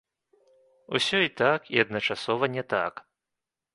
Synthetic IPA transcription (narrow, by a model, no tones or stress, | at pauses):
usʲɔit̪akiɐd̪̚nɐt͡ʂasɔvɐnʲɛt̪a̰k